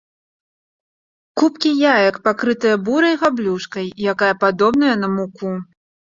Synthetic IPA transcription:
kupkʲijajɐkpakɾɨt̪ɨjɐbuɾɐjɣablʲuʂkɐjjakajɐpad̪ɔbnɐjɐn̪ɐmuku

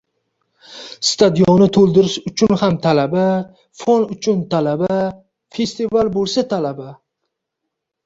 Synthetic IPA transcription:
st̪ʰad̪ijonɪt̪ʰolˠd̪ɪɾɪʃʊt͡ʃʰʊnhamt̪ʰalaba | fonʊt͡ʃʰʊnt̪ʰalaba | fe̞st̪ivalbolˠsat̪ʰalaba

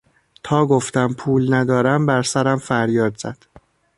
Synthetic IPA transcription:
t̪ʰɒːɡoft̪æmpʰuːlnæd̪ɒːɾæmbæɾsæɾæmfæɾjɒːd̪zæd̪̥

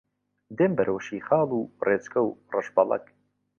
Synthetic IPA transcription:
d̪eːmbɐɾʔowʃiːχɑːlˠuːreːt͡skʰɐwrɨʃbɐlˠɐ̰k

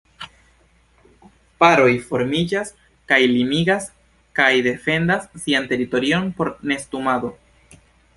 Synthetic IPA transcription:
paɾo̞jfo̞ɾmid͡ʒas | kajlimiɡas | kajde̞fe̞ndasːiante̞ɾito̞ɾio̞npo̞ɾne̞stumado̞

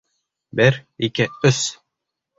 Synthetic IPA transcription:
bɘɾikɘɵs

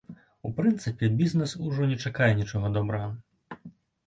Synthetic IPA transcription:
upɾɨnt̪sɨpʲɛbʲiznɛsuʐɔnʲɛt͡ʂakajɛnʲit͡ʂɔɣɐd̪ɔbɾɐɣɐ

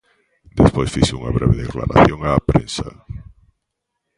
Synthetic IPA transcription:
d̪espojsfiʃuŋaβɾɛβeðekla̰ɾa̰θjoŋaːpɾensa

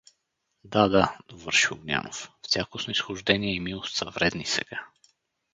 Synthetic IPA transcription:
d̪ad̪ad̪ovɤɾʃiʊɡnʲa̰no̰ffsʲjakosnoisxʊʒd̪ɛniɛimilˠost̪səvɾɛd̪nisɛ̰ɡ̥a

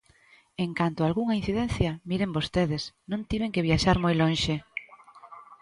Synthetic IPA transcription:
eŋkant̪ʊalɣuŋaĩn̟θiðɛnθjɐmiɾembost̪eðɪsnõnt̪iβeŋkeβjaʃaɾmojlõnʃe

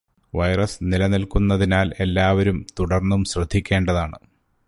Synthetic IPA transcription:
ʋɐjrɐsnilɐnilkunːɐðinaːle̞lːaːʋɐɾumt̪uɽɐrnːumɕrɐd̪ʱːikʲːe̞ːɳɖɐðaːɳɨ

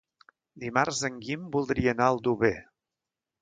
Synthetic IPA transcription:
d̪imarzəŋɡimbulˠd̪ɾiənaəlˠd̪uβe

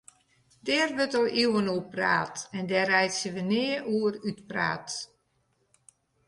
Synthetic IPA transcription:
dɛːrʋøtoʔiwənuəpra̰ːtɛndɛːrɛjtsəʋənɪːəʔuərytpra̰ːt

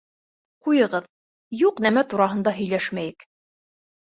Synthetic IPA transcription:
qujɤ̆ʁɤð | juqnæmæt̪uɾɑɦɤ̆nd̪ɑɦɵ̆jlæʃmæjɘk

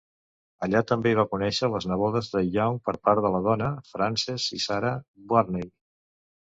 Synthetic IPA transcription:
əʎat̪əmbeiβakunɛʃələznəβɔðəzðəjawŋpəɾpaɾðələð̞ɔnəfɾansɛzisaɾəbwarnej

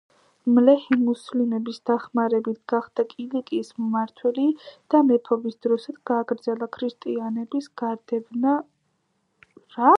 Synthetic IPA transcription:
mlɛhimuslimɛbisd̪̥aχmaɾɛbit̪̚ʰɡ̥aχd̪̥akʼilikʼismmaɾt̪ʰwɛlid̪̥amɛpʰɔbisd̪̥ɾɔsad̪ɡ̥aːɡɾd̪zɛlˠakʰɾist̪ʼianɛbisɡ̥aɾd̪ɛbna | ɾa

